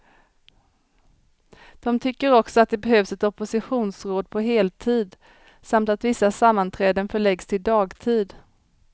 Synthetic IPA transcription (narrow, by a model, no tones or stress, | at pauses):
d̪̥ɔmt̪ʰʏkːəɾɔksɔat̪̚d̪ɛbɛɦøːvsɛt̪ɔpʊsɪɧuːnsɾoːd̪̚pʰɔɦeːlt̪ʰiːd̪ | samt̪at̪vɪsːasamːant̪ʰɾɛːd̪ənfœɭɛɡst̪ʰɪld̪ɑːɡt̪ʰiːd̪